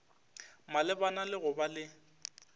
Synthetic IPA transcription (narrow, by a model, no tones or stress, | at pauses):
malɪbanalɪɣʊbalɪ